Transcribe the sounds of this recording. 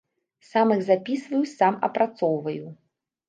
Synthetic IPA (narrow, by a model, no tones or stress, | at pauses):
samɨɣzapʲisvɐjusamɐ̰pɾat̪sɔwvɐju